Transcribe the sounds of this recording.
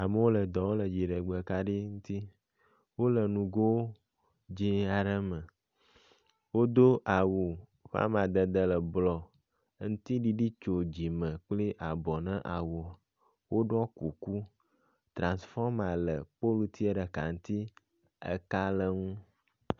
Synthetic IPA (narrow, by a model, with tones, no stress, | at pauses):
a˨mə˦wo˦lə˨d̪ɔ˨wo˦lə˨d͡ʑi˨ɖə˨ɡ͡bə˨ka˦ɖi˦ŋũ˦t̪i˦ | wo˦lə˨nũ˨ɡo˦wo˦ | d͡ʑĩ˦a˨ɖə˦mə̃˨ | wo˦d̪o˦ʔa˨wu˨ɸa̰˦m˨a˨d̪ə˨d̪ə˨lə˨blɔ˨˦ | ŋũ˦t̪i˦ɖi˦ɖi˦t͡ʃo˨d͡ʑi˨mə̃˨k͡pli˦ʔa˨bɔ˨nə̃˦ʔa˨wo˨ | wo˦ɖɔ˦ku˨ku˦ | t̪ɾã˨nsfɔ˦ɾma˨lə˨po˦lu˨t̪i˦ə˦ɖə˨ka̰˨ŋ̩˦t̪i˦ | ə̰˦ka˦lə˨ŋũ˦